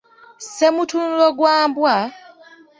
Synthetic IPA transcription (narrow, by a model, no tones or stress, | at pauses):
se̞mutunuloɡwaːmbwa